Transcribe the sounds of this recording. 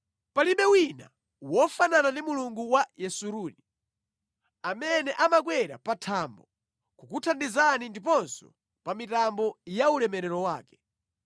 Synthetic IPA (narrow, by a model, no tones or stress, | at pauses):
paliɓɛwina̰ | wɔfananandimuluŋɡuwajɛsuɾuːni | amɛnɛʔamak̬wɛɾa̰patʰaːmbɔ | kukutʰandizanindip̬ɔnsɔ | pamitambɔjaulɛmɛɾɛɾɔwaːkɛ̥